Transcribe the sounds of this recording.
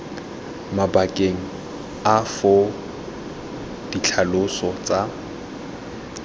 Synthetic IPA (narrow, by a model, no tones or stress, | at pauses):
mabakʼeŋ̩ | afʊ | d̥it͡ɬʰalʊsɔt͡sʼa